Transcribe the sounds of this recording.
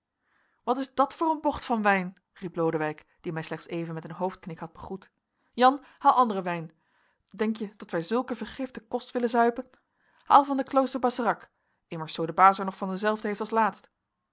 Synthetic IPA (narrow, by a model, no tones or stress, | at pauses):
ʋɑtɪzdɑtfʊːrənbɔχtfɑnʋɛjn | riplowdəʋɛjk | d̥imɛjslɛχtsejvənmɛtənɦowft̚knɪkhɑd̚bəχut | jɑn | haːlˠɑndərəʋɛjn | dɛŋkjəd̥ɑtʋɛjzɵlˠkəvəɹχɪftəkɔstʋɪlənzœɥpən | ha̰ːlˠvɑndəklowstəɹbɑsərɑk | ɪməɹsːowdəbaːzəɹnɔχfɑndəzɛlˠvdəɦejftɑlˠslaːtst